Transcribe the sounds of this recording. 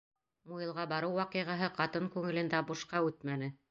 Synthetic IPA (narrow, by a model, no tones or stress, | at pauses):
mujɤ̆lˠʁɑbɑɾɤwːɑqiʁɑɦɤqɑt̪ɤŋkʉŋɘ̆lɘ̆nd̪æbuʃqɑʉt̪mænɘ